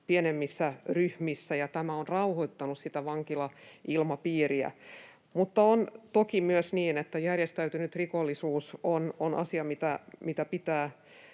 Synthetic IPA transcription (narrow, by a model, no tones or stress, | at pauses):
pienemːisːæryhmisːæjɑt̪æmæonrɑuhoit̪ːɑnussit̪æʋɑŋkilɑilmɑpiːriæ̰ | mut̪ːɑont̪okimyøsniːnet̪ːæjærjest̪æyt̪ynyt̪rikolːisuːsononʔɑ̰siɑmit̪æmit̪æpit̪æː